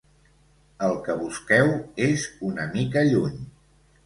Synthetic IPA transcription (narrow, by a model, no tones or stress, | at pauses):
əlˠkəβuskɛwezunəmikəʎuɲ